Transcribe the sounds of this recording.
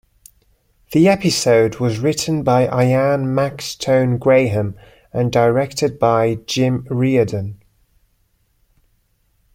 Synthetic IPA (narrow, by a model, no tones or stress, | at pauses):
ðiɛpɪsəʊdwɒzɹɪʔn̩baɪʔaɪãnmakstʰə̃ʊ̃nɡɹeɪɦə̃m | ə̃ndəɹɛk̚tʰɪd̚baɪd͡ʒɪ̃mɹiːədə̃n